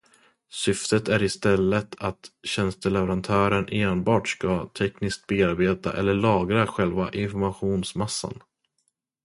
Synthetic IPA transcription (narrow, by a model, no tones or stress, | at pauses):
sʏft̪ət̪æɾɪst̪ɛlːət̪ʰat̪ɕɛnst̪əlɛvɛɾant̪ʰœːɾəneːnbɑːʈskat̪ʰɛknɪsk̚t̪̚beːaɾbeːt̪a̰ʔɛ̰lːəɭɑːɡɾaɧɛlvaʔɪnfɔɾmaɧuːnsmasːa̰n